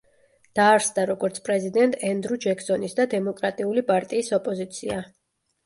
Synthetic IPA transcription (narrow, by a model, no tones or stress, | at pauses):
d̪̥aːɾsd̪aɾɔɡɔɾt̪sʰpʼɾɛzid̪ɛnt̪ʼɛnd̪ɾud͡ʒɛksɔnisd̪ad̪ɛmɔkʼɾat̪ʼiulipʼaɾt̪ʼiːsɔpʼɔzit̪sʰia